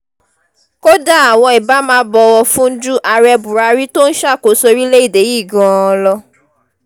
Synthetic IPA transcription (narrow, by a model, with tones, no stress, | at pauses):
ko˦da˦a˨w̃ɔ̃˧i˨ba˦mãː˧˦bɔ˧wɔ˧fũ˦n̩˦d͡ʒu˦ʔa˧ɾɛ˧bu˨ɾa˧˦ɾi˦to˦n̩˦ʃa˦˨ko˨˦so˧ɾi˦le˦i˦˨de˨˦ji˦˨ɡɔ̃˨˦˧lɔ˧